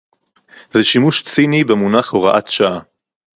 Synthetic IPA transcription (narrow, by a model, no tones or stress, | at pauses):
zɛʃimuʃt͡sinibemunaχoʁaʔat̪ʃaʔa